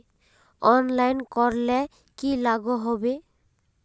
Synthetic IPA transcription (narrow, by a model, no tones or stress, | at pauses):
ɔnlajnkɔɾlɛ | kilaɡoɦɔbe